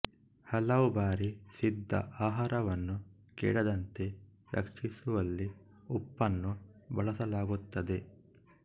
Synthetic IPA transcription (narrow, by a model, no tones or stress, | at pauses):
hɐlɐʋubaːɾisid̪ʱːɐ̰ʔaːɦaːɾɐʋɐnːu | kḭːɽɐd̪ɐnt̪e̞ɾɐ̰kʂisuʋɐlːi | upːɐnːubɐɭɐsɐlaːɡut̪ːɐd̪e̞